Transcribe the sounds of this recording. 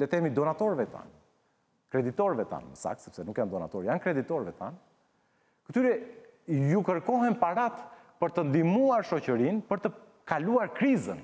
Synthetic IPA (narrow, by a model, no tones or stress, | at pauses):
ɛt̪ɛmid̪ɔnat̪ɔɾvɛt̪a̰n | kɾɛd̪it̪ɔɾvɛt̪a̰nməsa̰ksɛ̥psɛnukjand̪ɔna̰t̪ɔɾjankɾɛd̪it̪ɔɾvɛt̪a̰n | kət̪yɾɛjukəɾkɔɦɛnpaɾat̪pəɾt̪ənd̪imuaɾʃɔcəɾinpəɾt̪ə | kaluaɾkɾizən